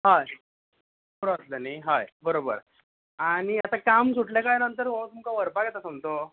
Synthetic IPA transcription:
ɦa | ɾoəsləniɦajbəɾobəɾ | aɽ̃iat̪akamsuʈljakajnənt̪əɾməəsumukaʋəɾpakjet̪asəmt̪o

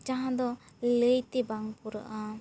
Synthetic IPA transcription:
d͡ʒaɦãd̪ɔləjt̪ɛbaŋpuɾa̰ʔa

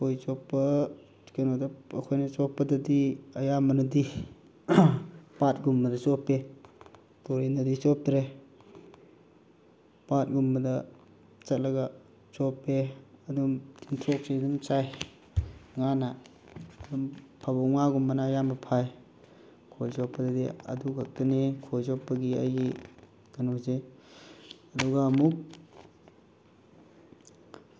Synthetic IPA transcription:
kojt͡ʃɔpːɐ̥ | kenodɐɐkʰojnɐt͡ʃɔpːɐdɐdiɐjamɐnɐdi | pat̚ɡumbɐdɐt͡ʃɔpe | toɾenɐdit͡ʃɔp̚dɾe | pat̚ɡumbɐdɐ | t͡ʃɐt̚lɐɡa | sɔpːeɐdumtʰintʰɾok̚sidumsaj | ŋanaː | dumpʰabɔŋaɡumbɐnajambɐpʰaj | kʰojzɔpːɐdadeɐ̰duɡak̚tɐnekʰojzɔpːɐɡia̰jɡi | ɡ̥ɐnoze | ɐduɡaːmuk̚

